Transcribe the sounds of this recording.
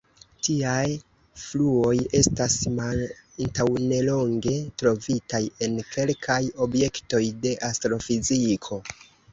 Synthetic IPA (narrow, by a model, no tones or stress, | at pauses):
tiaj | fluo̞je̞stasmaantawne̞lo̞ŋɡe̞tɾo̞vitaje̞nkʰe̞lkʰajo̞bje̞kto̞jde̞ʔastɾo̞fizikʰo̞